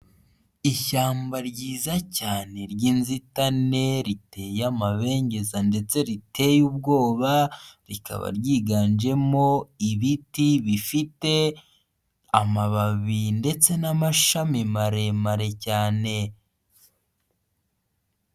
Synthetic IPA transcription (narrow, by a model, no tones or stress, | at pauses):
içaːmbaɾɟiːzacaːne̞ɾɟiːnzitane̞ɾite̞jamaβe̞ːɲɟe̞zande̞t͡se̞ɾitʰe̞jub̚ɡo̞ːβaɾikʰa̰βa̰ɾɟiːɡaːnd͡ʒe̞mo̞iβitiβifite̞ | amaβaβinde̞t͡se̞namaʃamimaɾe̞maɾe̞caːne̞